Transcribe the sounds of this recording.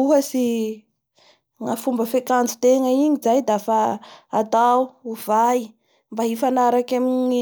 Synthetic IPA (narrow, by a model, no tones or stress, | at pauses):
uɦəsi | ŋafumbəfekand͡zut̪eŋəiɲizajd̪afaat̪auvai | mbaɦifanaɾakamiɲɲi